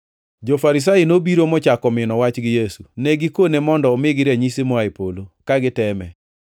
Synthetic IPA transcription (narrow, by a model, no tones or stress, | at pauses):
d͡ʒofaɾis̬ainobiɾomɔt͡ʃakɔmɪnɔwat͡ʃɡɪjesunɛɡɪkonemɔndɔːmɪɡɪɾɛɲisemɔaipolokaɡɪtɛmɛ̰